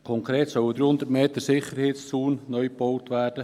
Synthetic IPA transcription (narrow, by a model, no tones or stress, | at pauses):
kʰɔŋkɾeːtsœləd̪ɾyːhʊnd̪əɾtmeːt̪əsɪχəɾheːtst͡suːnːœʏpbɔwtvæːrd̥ə